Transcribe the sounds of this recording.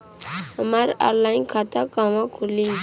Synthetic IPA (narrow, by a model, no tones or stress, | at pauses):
həmaɾa̰ɾlajnkʰat̪akaʋãkʰuli